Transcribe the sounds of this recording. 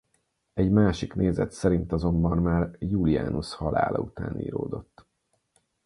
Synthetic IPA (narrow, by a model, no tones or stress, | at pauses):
ɛɟmaːʃikneːzɛt̪sɛɾint̪ɒzo̞mbɒnmaːrjuːlia̰ːnushɒla̰ːlʔɒ̰ut̪a̰ːnḭːɾoːd̪o̞t̪ː